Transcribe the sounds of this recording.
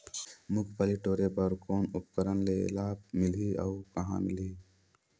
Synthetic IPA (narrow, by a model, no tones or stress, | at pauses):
mʊkʰpəliʈoːɾebəɾkoːnupkəɾənlelab̚milia̰ukəɦã̰mili